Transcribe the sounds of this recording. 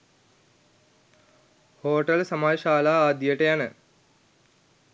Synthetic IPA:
hoːʈəlsɐmaːjʃaːlaːaːd̪jəʈəjanə

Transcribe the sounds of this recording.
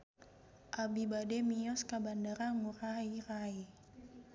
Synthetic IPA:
ʔabibadɛmiɔskabandaɾaŋuɾaiɾai

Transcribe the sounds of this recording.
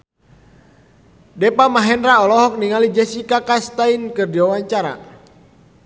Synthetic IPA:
dɛpamaɦɛndɾaɔlɔɦɔk̚niŋalid͡ʒɛsikakast̪ainkɨrdiwawaɲt͡ʃaɾa̰

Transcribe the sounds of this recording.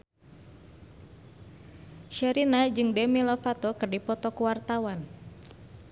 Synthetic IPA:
ʃaɾinad͡ʒɨŋdɛmilɔfat̪ɔkɨrdipɔt̪ɔkuwart̪awan

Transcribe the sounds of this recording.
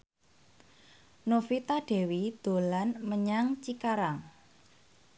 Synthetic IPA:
nofit̪aɖ̥e̤wid̪̥o̤lanməɲaŋt͡ʃikaɾaŋ

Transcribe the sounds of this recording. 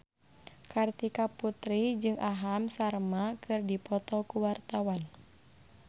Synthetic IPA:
kart̪ikaput̪ɾid͡ʒɨŋʔaɦamsarmakʰɨrdipɔt̪ɔkuwart̪awan

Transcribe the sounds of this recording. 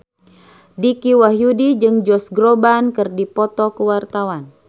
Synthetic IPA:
dikiwaɦjudid͡ʒɨŋd͡ʒɔsɡɾobankɨrdipɔt̪ɔkəwart̪awan

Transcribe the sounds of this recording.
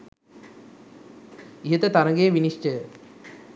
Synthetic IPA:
iɦət̪ət̪aɾəŋɡejːʋiniʂʈə

